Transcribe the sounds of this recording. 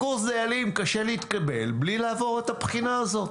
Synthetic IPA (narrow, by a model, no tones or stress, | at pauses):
uʁsdejalimkaʃe̞liit̪kabe̞lblilaːvo̞ʁet̪apχinaːzo̞t